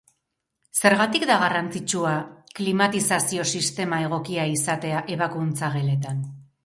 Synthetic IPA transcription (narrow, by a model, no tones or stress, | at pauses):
se̞ɾɣat̪ikd̪aɣarant͡sit͡ʃuaklimat̪isasio̞sist̪e̞mae̞ɣ̞o̞kiaisat̪e̞aʔe̞βakunt͡saɣe̞le̞t̪an